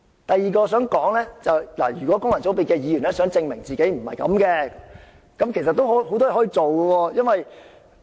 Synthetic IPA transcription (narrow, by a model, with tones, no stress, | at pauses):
t̪ɐ˨jːiː˨˧kɔː˧sœː˨˥ŋkɔː˨˥ŋlɛː˥t͡sɐ˨wla̰ː˨˩jyː˨kwɔː˨˥kʊ˥ŋlɐ˨˩nt͡so˨˥wpiː˨t̚kɛː˧jiː˨˧jyː˨˩nlɛ˥sœː˨˥ŋt͡sɪ˧ŋmɪ˨˩ŋt͡siː˨ke˨˥jm̩˨˩hɐ̰˨jkɐ̰˨˥mkɛː˧ | kɐ˨˥mkʰe˨˩js̬ɐ˨t̪ːo˥wɦho˨˥wt̪ɔ˥jɛ˨˥hɔː˨˥i˧t͡so˨wkə˧wɔː˧jɐ˥nwɐ˨j